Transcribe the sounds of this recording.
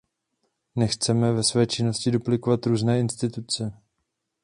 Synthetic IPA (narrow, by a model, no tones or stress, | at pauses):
nɛxt͡sɛmɛvɛsvɛːt͡ʃɪno̞scɪdo̞plɪko̞vat̪ɾuːznɛːɪnst̪ɪt̪ut͡sɛ